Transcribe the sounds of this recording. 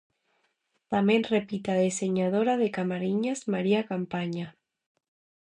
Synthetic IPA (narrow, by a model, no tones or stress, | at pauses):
t̪amenrepit̪aðeseɲaðoɾað̞ekamaɾiɲazmaɾiakampaɲa